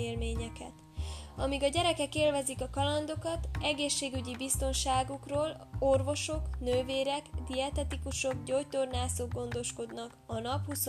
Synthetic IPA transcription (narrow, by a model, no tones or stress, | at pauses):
eːlmeːɲɛkɛ̰t̪ | ɒmiɡɒɟɛɾɛkɛkeːlvɛzikɒkɒlɒnd̪o̞kɒt̪ɛɡeːʃːeːɡyɟibist̪o̞nʃaːɡukroːlo̞rvo̞ʃo̞knøːveːɾɛɡd̪iɛt̪ɛt̪ikuʃo̞ɡɟojt̪ornaːsoɡːo̞nd̪o̞ʃko̞d̪nɒkɒnɒphus